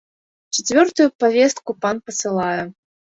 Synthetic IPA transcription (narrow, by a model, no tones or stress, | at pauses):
t͡ʃɛt͡sʲvʲɔrt̪ujupavʲɛst̪̚kupanpɐt̪sɨlˠajɛ